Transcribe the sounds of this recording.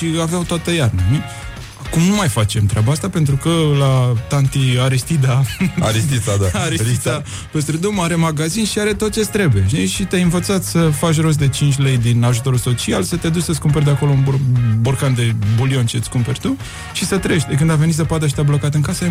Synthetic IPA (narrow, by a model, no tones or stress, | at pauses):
ʃiaveawt̪oat̪əjarnəmi | akumnumajfat͡ʃe̞mt̪ɾʲeabaast̪ape̞nt̪ɾukəlat̪ant̪iaɾist̪id̪aa̰ɾist̪it̪ad̪aaɾit̪a | pes̬t̪ɾed̪umaɾe̞maɡazinʃiaɾe̞t̪o̞t̪̚t͡ʃest̪ɾe̞bujeʃiʃit̪ejɨnvət̪sat̪ʲsəfat͡ʃ̬ro̞s̬d̪e̞t͡ʃint͡ʃʲle̞jd̪inaʒut̪o̞ɾulso̞t͡ʃialsət̪ed̪ut͡ʃʲsəskumpe̞rʲd̪eako̞lounburkand̪e̞bulio̞nt͡ʃet̪sʲkumpe̞rʲt̪u | ʃisət̪ɾeʃt̪ekɨnd̪ave̞nisəpad̪əʃ̬it̪ʲablo̞kat̪ɨŋkasə